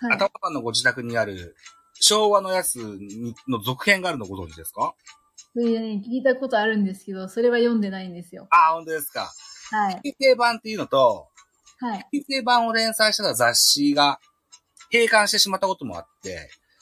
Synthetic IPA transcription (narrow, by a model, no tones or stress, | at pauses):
aat̪amakanːo̞ɡo̞ʑit̪akɯ̟ɲ̟iaɾɯ̟̰ | ɕo̞ːβano̞jat͡sɨɲ̟ino̞zo̞kɯ̟̥hẽ̞ŋɡaːɾɯ̟no̞ɡo̞zõ̞ɲ̟d͡ʑid̪e̞sɨ̥ka | soanekʲiːt̪ako̞t̪oaɾɯ̟̃nd̪esɨ̥ke̞d̪o̞so̞ɾe̞βajõ̞nd̪e̞naĩnd̪e̞sɨjo̞̰aːhõ̞nt̪o̞d̪e̞sɨ̥ka̰aiikʲise̞ːbãnt̪ːe̞iɯ̟no̞t̪o̞ | haii̥kʲise̞ːbãɰ̃o̞ɾẽ̞ɰ̃saiɕi̥t̪et̪azaɕːiɡa | ke̞ːkãɰ̃ɕi̥t̪e̞ɕimat̪ːako̞t̪o̞mo̞̰a̰t̪ːe̞̰